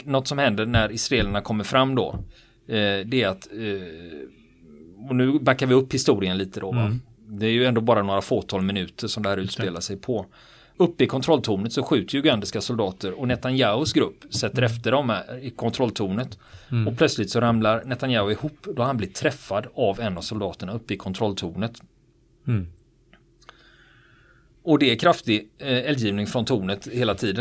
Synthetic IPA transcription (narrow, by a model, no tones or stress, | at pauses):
nɔt̪sɔmhɛnd̪əɳæɾɪsɾaeːlaɳakʰɔmːəɾfɾamːd̪ɔ̰ | d̪ɛːɾat̪ | ɔnʉ̟ːbakːaɾvɪɵpːhɪst̪uːɾɪənliːt̪əd̪ɔva̰ | d̪ɛːɾjɵɛnd̪oːbɑːɾanoːɾafoːt̪ʰɑːlmɪnʉ̟ːt̪ʰəʂɔmd̪ɛhæːɾʉ̟ːt̪speːlaʂɛjpʰɔ | ɵpːəɪkʰɔnt̪ɾɔlt̪ʰuːnət̪sɔɧʉ̟ːt̪əɾjʊɡand̪ɪskasɔld̪ɑːt̪əɾɔnɛt̪anjaʊsɡɾɵpːsɛt̪ːəɾɛft̪əɖɔmhæɪkʰɔnt̪ʰɾɔlːt̪ʰuːnət̪ɔpʰlœt̪slɪt̪sɔɾamlaɾnɛt̪anjaːʊɪhuːpːd̪ɔahanblɪt̪ʰːɾɛfːad̪avɛnːavsʊld̪ɑːt̪əɳaɵpːəɪkʰɔnt̪ʰɾɔlt̪ʰuːnət̪ | ɔd̪ɛːkʰɾaft̪ɪɛljiːvnɪŋfɾɔnt̪ʰuːnət̪heːlat̪ʰiːd̪ə